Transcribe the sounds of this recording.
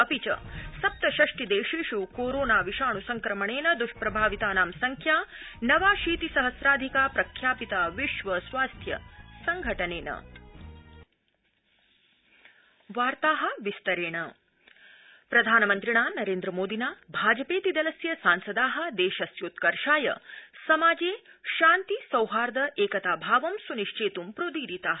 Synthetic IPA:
ɐpit͡ʃɐ̰sɐp̚t̪ɐʃɐʂʈid̪eːʃiːʃukoːɾoːnaːʋiʃaːɳusɐŋkɾɐmɐɳeːnɐd̪uʃpɾɐbʱaːʋit̪aːnaːmsɐŋkʰjaːnɐʋaːʃiːt̪isɐɦɐsɾaːd̪ʱikaːpɾɐkʰjaːpit̪aːʋiʃʋɐsʋaːst̪ʰjɐ̰sɐŋɡʱɐʈɐneːnɐ̰ | ʋaːɾt̪aːɦɐ̆ʋist̪ɐɾeːɳɐ | pɾɐd̪ʱaːnɐmɐnt̪ɾiɳaːnɐɾeːnd̪ɾɐmoːd̪inaːbʱaːd͡ʒɐpeːt̪id̪ɐlɐsjɐsaːnsɐd̪aːɦɐ̆d̪eːʃɐsjoːt̪kɐɾʃaːjɐ̰sɐmaːd͡ʒeːʃaːnt̪isɐwɦaːɾd̪ɐʔeːkɐt̪aːbʱaːʋɐmsuniʃt͡ʃeːt̪umpɾoːd̪iːɾit̪aːɦ

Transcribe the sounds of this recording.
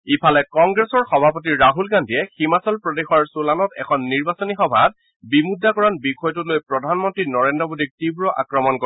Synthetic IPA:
ipʰalɛkɔŋɡɹesɔɹxɔbʱapɔtiɹːaɦulɡandiɛximasɔlpɹɔdexɔɹsulanɔtɛ̰kʰɔnːiɹbasɔnixɔbʱat̚ | bimudːakɔɹanbixɔjɔtulojpɹɔdʱanmɔntɹinɔɹendɔmodʱik̚tibɹɔʔa̰kɹɔmɔnkɔ

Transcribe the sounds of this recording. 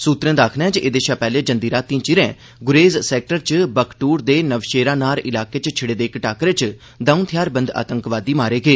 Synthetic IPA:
suːt̪ɾɛ̃ːd̪aːkʰnɛ̃ːd͡ʒʔeːd̪eːʃaːpɛːlẽːd͡ʒənd̪iːɾaːt̪ːĩãt͡ʃɪɾɛ̃ː | ɡʊɾeːzsɛːk̚ʈəɾt͡ʃbəkʈuːɾd̪eːnəʋʃeːɾãːnaːɾɪlaːkeːt͡ʃt͡ʃʰɪɽeːd̪eːkʈaːkɾeːt͡ʃ | d̪aːũnt̪ʰɪjaːɾbə̃nd̪a̰ːt̪əŋkʋaːd̪iːmaːɾeːɡeː

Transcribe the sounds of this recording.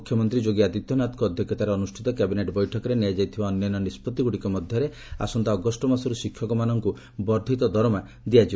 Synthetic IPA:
ukʰjɔmɔnt̪ɾid͡ʒoɡiad̪it̪jɔnat̪kɔd̪ʱjɔkʰjɔt̪aɾeɔnusʈʰit̪ɔkɛbineʈbɔjʈʰɔkɔɾeniad͡ʒajt̪ʰibaɔnːɔjɔnɔnispɔt̪ːiɡuɽikɔmɔd̪ʱjɔɾe | a̰sɔnt̪aɔɡɔsʈɔmasɔɾusikʰːjɔkɔmanɔŋku | bɔɾd̪ʱit̪ɔd̪ʱɔɾɔma | d̪iad͡ʒi

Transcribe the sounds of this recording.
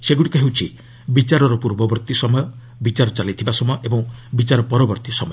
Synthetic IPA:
seɡuʈikɔɦewt͡ʃʰi | bit͡ʃaɾɔɾɔpuɾbɔbɔɾt̪isɔmɔjɔ | bit͡ʃaɾɔt͡ʃalit̪ʰibasɔmɔjɔʔebɔŋbit͡ʃaɾɔpɔɾɔbɔɾt̪isɔmɔjɔ

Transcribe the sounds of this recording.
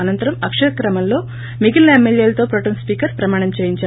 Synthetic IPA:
ɐnɐnt̪ɐɾɐmɐkʂɐɾɐkɾɐmɐllo̞ː | miɡilɐemːeljeːlɐt̪o̞ːpɾoʈɐnspiːkɐɾspɾɐmaːɳ̃ɐmt͡ʃeːjiɲt͡ʃa

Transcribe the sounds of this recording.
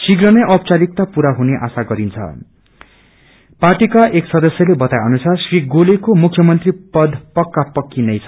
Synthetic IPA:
siɡɾʌnʌjʔʌp̚t͡saɾik̚t̪apuɾaɦuneʔa̰saɡʌɾint͡sʰʌ̰ | parʈikaʔeksʌd̪ʌsjʌlebʌt̪ajʌnusʰasriɡolekomukʰːjʌmʌnt̪ripʌd̪ʱpʌkːapʌkːinʌjt͡sʰʌ

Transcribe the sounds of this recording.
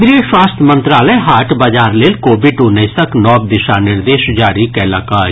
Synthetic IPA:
bɾeːswaːst̪ʰmənt̪ɾaːləjɦaːʈbaːd͡ʒaːɾleːlkoːbɪʈunəisəknɔːb̚d̪ɪʃaːnɪɾd̪eːʃd͡ʒaːɾikɛːlaːkaː

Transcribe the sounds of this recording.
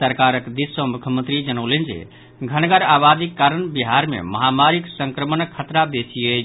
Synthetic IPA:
səɾkaɾəkd̪isːə̃mukʰjəmənt̪ɾid͡ʒənəwlənd͡ʒḛ | ɡʱənɡəɾabad̪ikːaɾənbiɦaɾmḛməɦamaɾiksəŋkɾəmənəkʰːət̪ɾabesije

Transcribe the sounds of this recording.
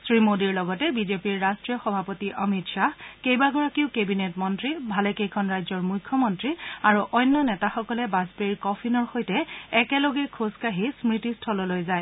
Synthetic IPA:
sɹimodiɹlɔɡɔtɛbizepiɹːastɹijɔxɔbʱapɔtiʔɔmitʃahkejbaɡɔɹakiʊkebinetmɔntɹibʱalɛkejkʰɔnɹajzɔɹmujkʰːɔmɔntɹiaɹuʔɔjnːɔnɛtaxɔkɔlɛbazbeɹikɔpʰinɔɹxojtɛɛkɛloɡɛkʰoskaɦismɹitistʰɔlɔlojzaj

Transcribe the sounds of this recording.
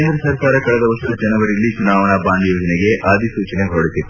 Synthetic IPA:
nd̪ɐɾɐsɐɾkaːɾɐkɐɭɛd̪ɐʋɐsuɐd͡ʒɐnɐʋɐɾilːit͡ʃunaːʋɐɳɐbaːɳɖjoːd͡ʒɐnɛɡeʔaːd̪ʱisuːt͡ʃɐneɦoɽit̪it

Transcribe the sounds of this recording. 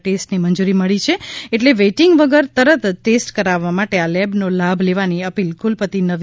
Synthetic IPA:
ʈesʈnimənd͡ʒuɾiməɭit͡ʃʰeeʈleʋeʈɪŋɡʋəɡəɾt̪əɾət̪ːesʈkəɾaʋːamaʈealɛbnolabʱleʋaniəpilkulpət̪inəʋ

